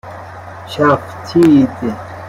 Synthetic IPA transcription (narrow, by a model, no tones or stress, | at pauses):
ɕaːft̪ʰiit̪i